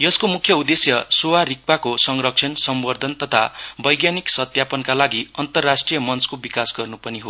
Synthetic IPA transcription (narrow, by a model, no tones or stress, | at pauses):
jʌskomukʰjʌud̪esjʌsowaɾik̚pakosʌŋrʌk̚t͡sʰʌnsʌmwʌrd̪ʱʌnt̪ʌt̪ʰa̰bʌjɡjaniksʌt̪japʌnkalaɡiʌnt̪ʌrːasʈrijʌmʌnt͡skobikasɡʌrnupʌniɦo